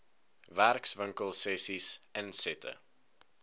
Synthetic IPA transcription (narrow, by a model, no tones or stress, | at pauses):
værksvəŋkəlˠsɛsisɛnsɛtʰə̰